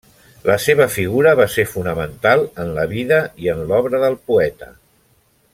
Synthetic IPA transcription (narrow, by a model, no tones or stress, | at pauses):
ləseβ̞əfiɣ̞uɾəβ̞aseɾfunəmənt̪alˠənləβiðəiənlɔβɾəðəlˠpuɛt̪ə̰